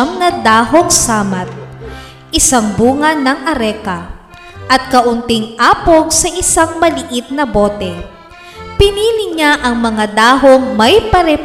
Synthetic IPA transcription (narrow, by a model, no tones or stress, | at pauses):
ŋnɐd̪aːɦoŋsaːmɐt̪̚ | ʔɪsaŋbuːŋɐnɐŋʔɐɾɛːkɐ | ʔɐt̪̚kɐʔʊnt̪ɪŋʔaːpoɡ̚sɐʔɪsaŋmɐlɪʔit̪̚nɐbo̞ːt̪ɛ | pɪniːlɪɲaʔɐŋmɐŋad̪aːɦoŋmɐjpɐɾɛ